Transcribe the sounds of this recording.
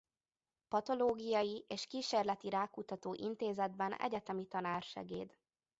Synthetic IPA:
pɒt̪o̞loːɡijɒjiʔeːʃkiːʃeːrlɛt̪iɾaːkut̪ɒt̪oːʔint̪eːzɛd̪bɛnɛ̰ɟɛt̪ɛmit̪ɒnaːrʃɛ̰ɡḛːd̪

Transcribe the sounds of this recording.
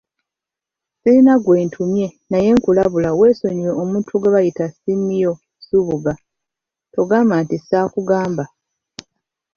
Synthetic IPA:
siinaɡwe̞ːntʰumje̞naje̞ŋkulaβulawe̞ːso̞ɲiɾoomuːntʰuɡeβajitasinːijo̞ | suβuɡa | to̞ɡaːmantisaːkuɡaːmba

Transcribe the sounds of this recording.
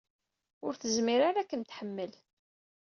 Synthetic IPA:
ʊɾθəzmiɾaɾækːənt̪ħəmːəl

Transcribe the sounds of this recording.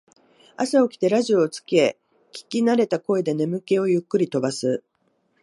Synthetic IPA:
asao̞kʲi̥t̪e̞ɾaʑio̞ːt͡sɨ̥ke | kʲi̥kʲinaɾe̞t̪ako̞e̞d̪e̞ne̞mɯ̟ke̞o̞jɯ̟kːɯ̟ɾʲit̪o̞basɨ

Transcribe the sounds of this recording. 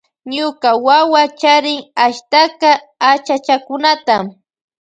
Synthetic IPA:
ɲʊkawawat͡ʃaɾɪŋaʃt̪akaː | t͡ʃat͡ʃakʊnat̪am

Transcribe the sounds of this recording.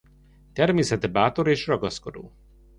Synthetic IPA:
t̪ɛrmeːsɛt̪ɛbaːt̪o̞ɾeːʃrɒɡɒsko̞d̪o̰ː

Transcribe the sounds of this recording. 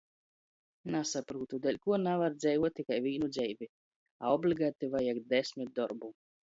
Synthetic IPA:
nasapɾuːt̪ud̪ɛlʲkuɔnavaɾd̪zʲɛjvuɔt̪̚t̪ːikajvʲiːnud̪zʲɛjvʲi | aɔblʲiɡat̪ivajaɡd̪esʲmʲit̪̚d̪ɔɾbu

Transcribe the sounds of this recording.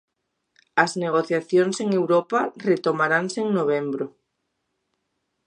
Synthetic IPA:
ɐzneɣ̞oθjaθjonseŋewɾoparet̪omaɾanseŋnoβ̞embɾo

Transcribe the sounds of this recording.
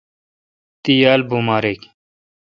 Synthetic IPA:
t̪ijaːlbumaːɾeːk

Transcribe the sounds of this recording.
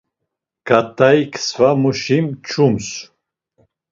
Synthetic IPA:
ɡ̥at̪ʰʼajkʰsvamuʃimt͡ʃʰums

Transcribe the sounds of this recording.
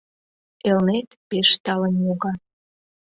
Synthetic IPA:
elnet̪peʃt̪ɑlənjoɣɑ

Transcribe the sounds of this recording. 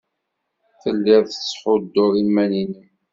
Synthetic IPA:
θəlːɪðˤθəsˤħʊd̪ːʊðˤinmænini

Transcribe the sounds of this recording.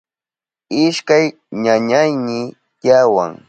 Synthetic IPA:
ɪʃkaj | ɲaɲajnɪ | jawa̰ŋ

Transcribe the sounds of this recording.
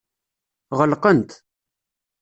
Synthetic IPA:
ʁəlqənt̪

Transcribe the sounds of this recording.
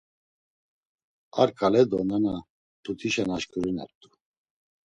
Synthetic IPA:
a̰ɾkʼalɛd̪ɔnana | tʰut̪ʰiʃɛnaʃkʼuɾinɛ̰ɾt̪ʼu

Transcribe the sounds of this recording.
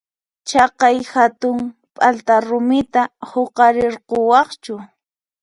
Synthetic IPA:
t͡ʃɑqɑjhat̪ʊŋ | pʼalt̪aɾʊmɪt̪ahoqɑɾɪɾqowɑχt͡ʃʊ

